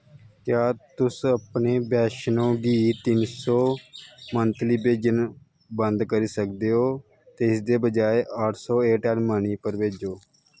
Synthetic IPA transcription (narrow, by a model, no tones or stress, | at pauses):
kjaːt̪ʊsəpneːbɛːʃnõːɡiːt̪ɪnsɔːmənt̪liːbeːd͡ʒən | bənd̪kəɾiːsək̚d̪eːɦoː | t̪eːɪsd̪eːbəd͡ʒaːeəʈʰsɔːeːʈənməniːpəɾʋeːd͡ʒoː